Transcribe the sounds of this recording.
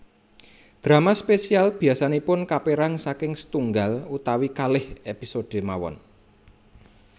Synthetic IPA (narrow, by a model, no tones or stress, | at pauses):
d̪̥ɾa̤maspesialb̥i̤asanipʊnkapeɾaŋsakɪŋsə̥t̪uŋɡalut̪awikalɪhepisod̥e̤mawɔ̰n